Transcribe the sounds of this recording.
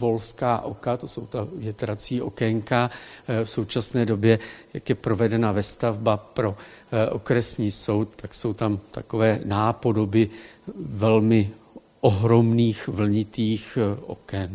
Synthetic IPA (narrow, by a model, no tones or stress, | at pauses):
vo̞lskaːʔo̞kat̪o̞so̞wt̪avjɛt̪ɾat͡siːʔo̞̰kɛŋkafso̞wt͡ʃasnɛːdo̞bjɛjakjɛpɾo̞vɛdɛnavɛst̪avbapɾo̞ | ʔo̰kɾɛsɲiːso̞wt̪̚t̪akso̞wt̪amt̪a̰ko̞vɛːnaːpo̞do̞bɪ | vɛlmɪ | ʔoɦɾo̞mniːxvl̩ɲɪt̪iːxʔo̞̰kɛn